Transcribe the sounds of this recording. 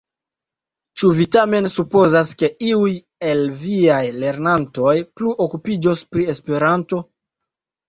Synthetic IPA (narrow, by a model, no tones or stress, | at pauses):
t͡ʃuvitame̞nsupo̞zaske̞iuj | e̞lviajle̞ɾnanto̞jpluʔokupid͡ʒo̞spɾie̞spe̞ɾanto̞